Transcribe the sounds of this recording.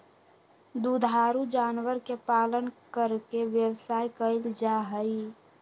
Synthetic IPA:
d̪ud̪ʱaːɾud͡ʒaːnwəɾkepaːlənkəɾkeʋjəwsaːikəɪld͡ʒaɦəi

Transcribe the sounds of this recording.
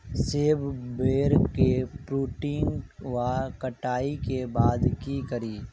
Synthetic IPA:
seːbbeːɾkepɾuːʈiːnʋaːkəʈaːikebaːd̪kikəɾiː

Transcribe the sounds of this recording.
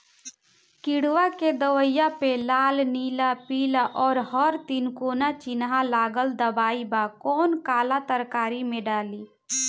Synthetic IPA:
kiɽʋaked̪əʋəjːapelaːlnilapilaʔɔːɾɦəɾt̪inkoːnat͡ʃinɦalaːɡəld̪əbaːibakɔːnkaːlat̪əɾkaːɾimẽɖaːliː

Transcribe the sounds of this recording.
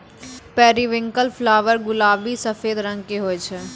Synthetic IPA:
pɛːɾiʋɪ̃ŋkəlfʰlaːʋəɾɡʊlaːbisəfeːd̪ɾə̃ŋɡkeɦoːɛt͡ʃʰɛ

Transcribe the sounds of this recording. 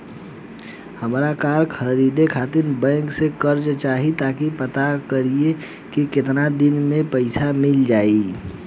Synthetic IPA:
həmɾakaːɾkʰəɾiːd̪ekʰaːt̪ɪɾbɛ̃ːŋksekəɾd͡ʒt͡ʃaːɦit̪akipət̪akəɾie | kikɪt̪nad̪ɪnmẽpəɪsamɪld͡ʒaːi

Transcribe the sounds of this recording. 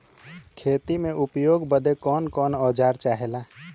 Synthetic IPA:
kʰeːt̪imẽʔʊpjoːɡbəd̪ekɔːnkɔːnɔːd͡ʒaːɾt͡ʃaːɦelaː

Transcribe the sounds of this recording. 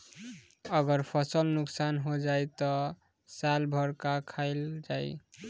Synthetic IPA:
ʌɡəɾpʰʌsəlnuksanɦod͡ʒajt̪ɔ | salbʱʌɾkakʰaɪld͡ʒaj

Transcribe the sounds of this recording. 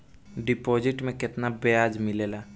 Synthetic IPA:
ɖɪpoːd͡ʒɪʈmẽkɪt̪nabeaːd͡ʒmɪleːlaː

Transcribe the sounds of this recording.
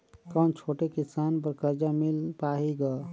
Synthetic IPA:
kãnt͡ʃʰoʈekisanbəɾkəɾd͡ʒamilpaɦiɡa

